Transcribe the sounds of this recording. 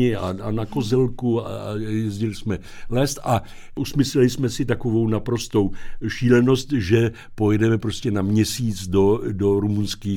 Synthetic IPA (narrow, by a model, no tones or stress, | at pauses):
ɪa̰anako̞zɛlkua̰a̰jɛzɟɪlɪsmɛ | lɛst̪a | ʔusmɪslɛlɪsmɛsɪt̪ako̞vo̞wnapɾo̞st̪o̞wʃiːlɛno̞st̪ʒɛ | po̞jɛdɛmɛpɾo̞scɛnamɲɛsiːt͡sdodo̞ɾumunskiː